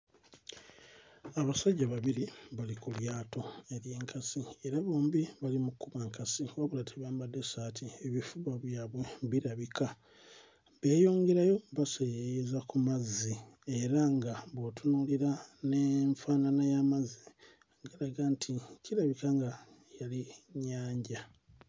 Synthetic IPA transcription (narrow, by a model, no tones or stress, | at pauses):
aβasaɟːaβaβiɾiβalikuljaːto̞e̞ɾje̞ːŋkʰasieɾaβo̞ːmbiβalimukːuβaŋkasiwaβulatʰeβaːmbadːe̞saːtʰieβifuβwaβjaːβwe̞βiɾaβikʰa | βe̞ːjo̞ːŋɡe̞ɾajo̞βasejejezakumazːie̞ɾaŋɡaβotʰunuːliɾaneɱfaːnanajamazi | ɡeɾaɡantʰiciɾaβikaŋɡa | jaliɲːaːɲɟa